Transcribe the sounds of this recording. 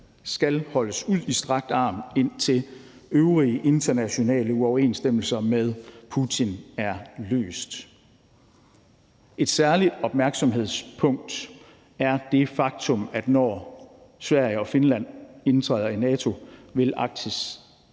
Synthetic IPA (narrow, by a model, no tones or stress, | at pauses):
sɡ̥ælhɒ̽ləsuð̰ˠisd̥ʁɑ̈ɡ̥̚d̥ɑ̈ːme̝n̰t͡sʰe̝l | øʊʁiəʔe̝nd̥ʰɐnæɕo̝nɛ̰ːləuɒʊɐe̝̰ːnsd̥em̰l̩sɐmeðˠpʰut͡sʰinæɐlø̰ːsd̥ | e̝d̥sæɐlid̥ɒ̽b̥̚mæɐɡ̥sɒ̽mɦe̝ð̞̰ˠspʰɔ̽ŋ̰d̥ | æɐd̥e̝fɑ̈ɡ̥̚t͡sʰɔ̽mæd̥nɒ̰ː | sʋæɐ̰jəɒ̽fe̝nlæn̰e̝nt͡sʰʁɛːðˠɐinɛːt͡sʰo̝ʋe̝lʔɑ̈ɡ̥̚d̥ʰəs